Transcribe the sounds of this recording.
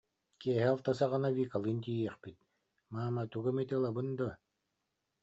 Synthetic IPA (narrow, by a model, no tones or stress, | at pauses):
kiɛɦɛalˠt̪asaʁanavʲiːkalˠɯnt̪̬ijɛχpit̪̚ | maːmat̪uɡamit̪ɯlˠabɯnd̪ɔ